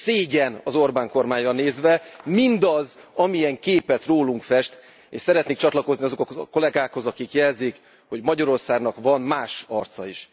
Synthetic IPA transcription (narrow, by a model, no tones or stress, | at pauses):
seːɟɛnɒzo̞rbaːŋko̞rmaːɲrɒneːzvɛmind̪ɒzɒmiɛŋkeːpɛt̪roːluŋkfɛʃt̪ | eːʃsɛɾɛt̪neːkt͡ʃɒt̪lɒko̞zniɒzo̞kɒkko̞lɛɡaːkho̞zɒkikjɛlzik | ho̞ɟmɒɟɒɾo̞rsaːɡnɒkvɒnmaːʃɒrt̪sɒiʃ